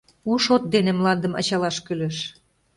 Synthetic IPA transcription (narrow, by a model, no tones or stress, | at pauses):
uʃot̪̚d̪enemlɑnd̪əmɑ̰t͡ɕɑlɑʃkylĕʃ